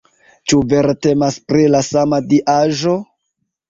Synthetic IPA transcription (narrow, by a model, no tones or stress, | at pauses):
t͡ʃuve̞ɾte̞maspɾilasamadiʔaʒo̞